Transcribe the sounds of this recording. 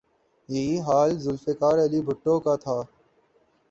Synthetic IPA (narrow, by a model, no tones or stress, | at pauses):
jɐɦiːɦaːlzʊlfekaːɾɐliːbʱʊʈːõːkat̪ʰaː